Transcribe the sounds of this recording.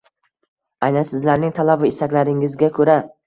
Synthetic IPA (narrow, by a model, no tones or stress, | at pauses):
ajnansɪzlaɾnɪŋt̪ʰalabɪɪsakʲlaɾɪŋɪzɡʲakʰɵɾa